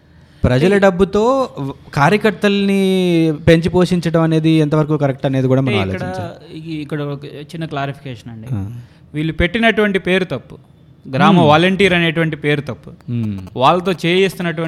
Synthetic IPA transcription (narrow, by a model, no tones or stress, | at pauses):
pɾɐd͡ʒɐlɐɖɐbːut̪o̞ːkaːɾjɐkɐɾt̪ɐlɐnipe̞ɲt͡ʃipo̞ːʂiɲt͡ʃɐɽɐmɐne̞ːd̪iɛnt̪ɐʋɐɾkuːkɐɾek̚ʈɐne̞ːd̪ikuːɽaːmɐːna̰ːloɐt͡ʃḭt͡ʃa̰ːɾikːɐɽɐt͡ʃinːɐklaːɾipʰi̥kɛːʂɐnɐɳɖiː | ʋiːlːupe̞ʈːinɐʈuʋɐɳʈipe̞ːɾut̪ɐpːu | ɡɾaːmɐʋaːlɐɳʈiːɾɐneːʈuʋɐɳʈipeːɾut̪ɐpːu̥ʋaːɭːɐt̪o̞ːt͡ʃeːjeːst̪unːɐʈuɐ